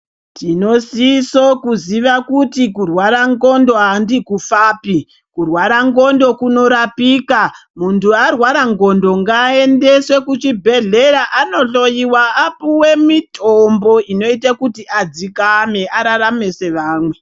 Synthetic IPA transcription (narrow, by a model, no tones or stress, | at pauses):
tino̞siso̞kuziʋakutikurwaɾaŋɡo̞ndo̞ɦandikufaːpi | kurwaɾaŋɡo̞ndo̞kuno̞ɾapiːkamuntuarwaɾaŋɡo̞ndo̞ŋɡaende̞swe̞kut͡ʃibʱe̞ɮe̞ɾaʔano̞ɬo̞jiwaapuwe̞mitʰombo̞ino̞itakutiʔad͡zikame̞ʔaɾaɾame̞se̞ʋaːmwe̞